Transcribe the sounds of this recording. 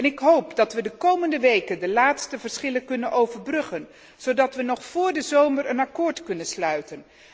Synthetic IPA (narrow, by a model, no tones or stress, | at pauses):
ɛnɪkɦowpdɑtʋədəkowməndəʋejkəndəlaːtstəvəɹsχɪləkɵnənʔowvəɹbrɵχən | z̥owdɑtʋənɔχfʊːɹdəzowmərənɑkʊːɹtkɵnənslœɥtən